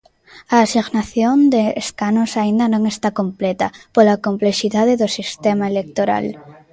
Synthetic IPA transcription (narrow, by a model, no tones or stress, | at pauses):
aːsiɣnaθjond̪eːskanosaind̪ɐnõŋest̪akomplɛt̪ɐpolakompleʃiðaðeðʊsist̪emaelek̚t̪oɾa̰l